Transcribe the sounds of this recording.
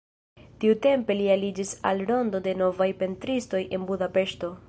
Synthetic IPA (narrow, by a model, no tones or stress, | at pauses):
tiute̞mpe̞lialid͡ʒisa̰lɾo̞ndo̞de̞no̞vajpe̞ntɾisto̞jʔe̞nbudape̞ʃto̞